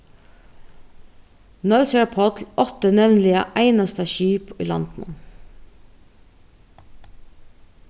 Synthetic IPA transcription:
nœlsɛɹpʰɔt̪lɔt̪ənɛʋnlɪə̰ʔæɪnɑst̪əʃiːpḭːlɑ̰nd̪̥n̩̰

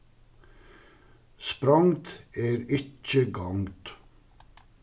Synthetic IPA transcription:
spɾɑŋt̪eːɾɪt͡ʃəɡɑŋt̪

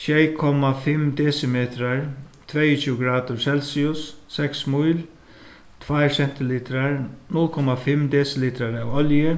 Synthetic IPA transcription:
sjɛjkʰɔmafɪmd̪ɛːsɪmeːt̪ɾaɹt̪ʰvɛjət͡ɕʰuɡɾaːd̪ʊɾsɛlsiʊsːɛksmujl | t̪ʰvajɾsɛn̥t̪ɪliːt̪ɾaɹnʊlkʰɔmafɪmd̪ɛːsɪliːt̪ɾaɾawɔljə

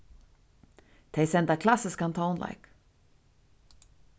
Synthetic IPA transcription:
t̪ʰeɪsɛnd̪akʰlasəskant̪ʰɑɔnla̰jk

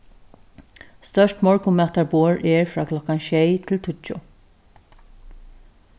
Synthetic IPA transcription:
st̪œʃʈmɔɹkʊmɛt̪ɑɹboːɹʔɛːɹfɾɑ̰ːkʰlɔkanʃɛjt̪ʰɪlt̪ʰʏt͡ʃʊ̰

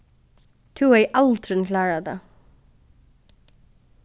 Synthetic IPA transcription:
t̪ʰʉːeɪʔɑlt̪ʰɾʉn̩kʰlɑːɹɑd̪ḛː

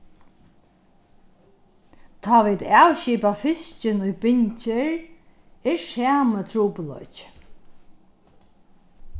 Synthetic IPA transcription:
t̪ʰaːʋiːd̪awʃiːpafɪst͡ʃɪnʊjbɪɲt͡ʃɪɹ | ɪɹsæːmət̪ʰɾuːplɔ̰jt͡ʃ

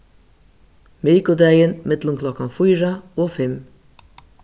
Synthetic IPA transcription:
miːkʊd̪ɛjənmɪt̪lʊmkʰlɔkːanfujɾaoːfɪm

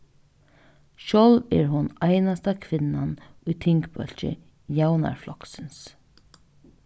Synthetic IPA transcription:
ʃɔwlɛɹɦʊnajnast̪akʰʋɪnːanʊjt̪ʰɪŋkbœ̰l̥t͡ʃɪ̰ | jawna̰ɹflɔksɪns

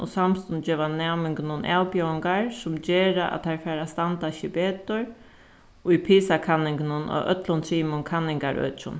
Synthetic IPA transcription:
ɔ̰samst̪ʊnd͡ʒɛːʋanɛːmɪŋkɪnʊnʔaːlpjœwɪŋkaɹsʊmt͡ɕeːɾaʔa̰tt̪ʰaɹfɛːɾast̪ant̪aɕɪbeːt̪ʊɹ | ʊjpʰiːsakʰanːɪŋkɪnʊnɔ̰ʔœ̰t̪lʊnt̪ʰɾiːmʊnkʰanːɪŋkaɹœ̰ːt͡ʃʊ̰n

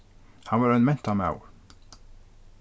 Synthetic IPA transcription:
hɑnʋɑːɾɛnmɛnt̪ʰama̰ʊ

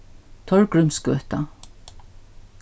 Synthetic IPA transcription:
t̪ʰɔɹkɹʏmskœ̰ːt̪a

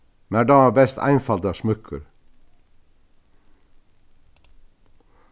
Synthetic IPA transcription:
mæɖɑːæːbɛst̪ʰæ̰ɪnfɑld̪ɑʃmʉkʰə̰ɾ

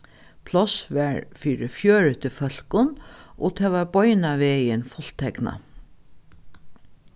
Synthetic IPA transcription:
pʰlɔsʋæɹfiːɾɪfjøːɹət̪ʰɪlfœl̥kʊnʔo̰ːt̪ʰɛːʋaɹbɔʏnaʋeːiɛnfʊl̥t̪ʰɛkna̰

